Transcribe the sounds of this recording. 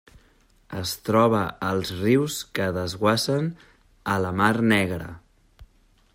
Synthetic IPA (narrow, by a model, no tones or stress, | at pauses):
əst̪ɾɔβ̞əəlˠzriwskəðəzɣwasən | ələmarnɛɣɾə̰